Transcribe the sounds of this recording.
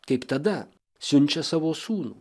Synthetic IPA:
kɐɪpt̪ɐd̪ɐ | sʲʊnʲt͡ʃʲɛsɑːʋoːsuːnuː

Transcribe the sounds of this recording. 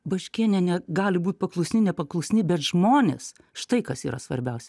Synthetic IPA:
bɐʃʲkʲiːnʲɛnʲɛɡɑːlʲɪbuːt̪̚ʲpɐklˠʊsʲnʲɪnʲɛpɐklˠʊsʲnʲɪbʲɛt̪ʒmoːnʲḛs | ʃt̪ɐɪkɐsiːɾɐsʋɐ̰ɾʲbʲɛʊsʲɛ

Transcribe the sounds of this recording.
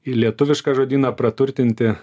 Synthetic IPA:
ilʲiɛt̪ʊʋʲɪʃkɑːʒoːd̪ʲiːnɑːpɾɐt̪ʊɾʲt̪ʲɪnʲt̪ʲɪ

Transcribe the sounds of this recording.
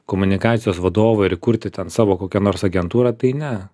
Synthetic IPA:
koːmʊnʲɪkɑːt̪sʲɪjoːsʋɐd̪oːʋɐɪɾɪkuɾʲt̪ʲɪt̪ʲɛnsɑːʋoːkoːkʲɛnoːrsɐɡʲɛnt̪uːɾɑt̪ɐɪnʲɛ

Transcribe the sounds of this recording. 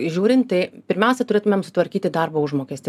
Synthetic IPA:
ʒʲuːɾʲɪnt̪t̪ɐɪpʲɪɾʲmʲɛʊsʲɛt̪ʊɾʲeːt̪ʊmʲɛmsʊt̪ʋɐɾʲkʲiːt̪ʲɪd̪ɐrboːʊʒmoːkʲeːsʲt̪ʲ

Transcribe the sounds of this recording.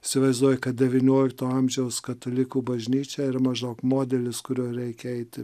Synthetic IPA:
ɪsʲɪʋɐɪzd̪uɔjɛkɐt̪̚d̪ʲɛʋʲiːnʲoːlʲɪk̚t̪oːɐmʲʒʲɛʊskɐt̪olʲɪkuːbɐʒʲnʲiːt͡ʃʲɛːɪɾɐmɐʒoːkmoːd̪ʲɛlʲɪskʊɾʲuɔɾʲɛɪkʲɛɛɪt̪ʲɪ

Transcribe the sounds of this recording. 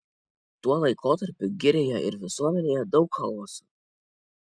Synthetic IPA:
t̪uɔlˠɐɪkʰoːt̪ɐɾʲpʲʊɡʲɪɾʲeːjoɪ̰ɾʋʲɪsuɔmʲɛnʲeːjɛd̪ɒʊkxɐlˠmosu̥

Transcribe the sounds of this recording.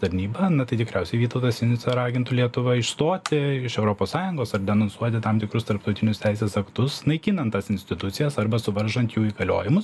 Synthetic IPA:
t̪ɐɾʲnʲiːbɐnɐt̪ɐɪt̪ʲɪkɾʲɛʊsʲɛɪʋʲiːt̪ɐʊt̪ɐsʲɪnʲsɐɾɑːɡʲɪnt̪ʊlʲiɛt̪ʊʋɐɪʃst̪oːt̪ʲɪɪʃɛʊɾoːpoːssɑːjʊŋɡoːsɐɾd̪ʲɛnoːnsuɔt̪ʲɪt̪ɐmt̪ʲɪkɾʊst̪ɐɾp̚t̪ɐʊt̪ʲɪnʲʊst̪ʲæɪsʲeːsɐkt̪ʊsnɐɪkʲiːnɐnt̪ːɐsɪnʲsʲt̪ʲɪt̪ʊt̪sʲɪjɛsɐɾbɐsʊʋɐɾʒɐnt̪juːiːɡɐlʲo̰ːjɪmʊs

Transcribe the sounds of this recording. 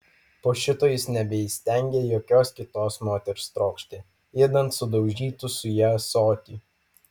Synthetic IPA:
poːʃʲɪt̪oːjɪsnʲɛbʲɛiːsʲt̪ʲɛˑŋʲɡʲeːjoːkʲoːskʲɪt̪oːsmoːt̪ʲɛɾʲst̪ɾoːkʃʲt̪ʲeː | eːd̪ɐnt̪sʊd̪ɒʊʒʲiːt̪ʊsʊjɛsoːt̪ʲiː

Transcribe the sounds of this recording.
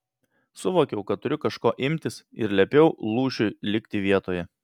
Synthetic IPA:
sʊʋoːkʲɛʊkɐt̪t̪ʊɾʲʊkɐʃkoːʔɪmʲt̪ʲɪsɪ̰ɾlʲɛpʲɛʊlˠuːʃʲʊlʲɪkʲt̪ʲɪʋʲiɛt̪oːjɛ

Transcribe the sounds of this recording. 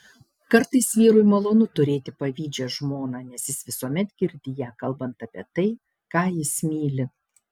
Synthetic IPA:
kɐɾt̪ɐɪsʋʲiːɾʊjmɐlˠoːnʊt̪ʊɾʲeːt̪ʲɪpɐʋʲiːd͡ʒʲɛʒmoːnɑːnʲɛsjɪsʋʲɪsuɔmʲɛt̪ɡʲɪɾʲd̪ʲɪjæːkɐlˠbɐnt̪ɐpʲḭɛt̪ɐɪ | kɑːjɪsmʲiːlʲɪ

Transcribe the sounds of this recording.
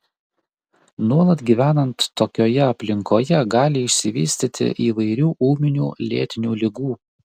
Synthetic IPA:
nuɔlˠɐt̪ɡʲiːʋʲæːnɐnt̪ːoːkʲoːjɛɐpʲlʲɪŋkoːjɛɡɑːlʲɪɪʃʲsʲɪʋʲḭːsʲt̪ʲɪt̪ʲɪ̰ʔiːʋɐɪɾʲuːʔuːmʲɪnʲuːlʲḛːt̪ʲɪnʲuːlʲɪɡuː

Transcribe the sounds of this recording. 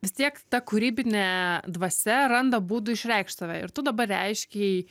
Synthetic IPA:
ʋʲɪst̪ʲiɛkt̪ɐkʊɾʲiːbʲɪnʲɛd̪ʋɐsʲɛɾɐnd̪ɐbuːd̪ʊɪʃʲɾʲɛɪkʃt̪ɐʋʲɛɪɾt̪ʊd̪ɐbɐrʲɛɪʃʲkʲɛɪ

